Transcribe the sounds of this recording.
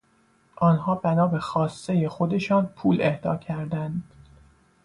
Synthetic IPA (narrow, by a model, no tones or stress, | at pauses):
ʔɒːnɦɒːbænɒːbexɒːsːe̞jexo̞d̪e̞ʃɒːnpʰuːle̞hd̪ɒ̰ːcʰæɾd̪ænd̪